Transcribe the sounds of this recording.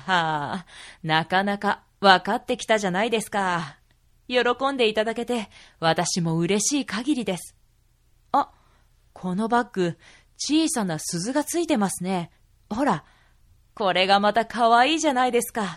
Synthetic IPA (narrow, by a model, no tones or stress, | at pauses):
haː | nakanaka | βakat̪ːe̞kʲi̥t̪aʑanaid̪e̞sɨ̥ka | jo̞ɾo̞kõ̞nd̪e̞it̪ad̪ake̞t̪e̞βat̪aɕimo̞ɯ̟ɾe̞ɕiːkaɡʲiɾʲid̪e̞sɨ̥ | a | kʰo̞no̞bakːɯ̟ | t͡ɕiːsanasɨzɨɡat͡sɨit̪e̞masɨne̞ | ho̞ɾa | ko̞ɾe̞ɡamat̪akaβaiːʑanaid̪e̞sɨ̥ka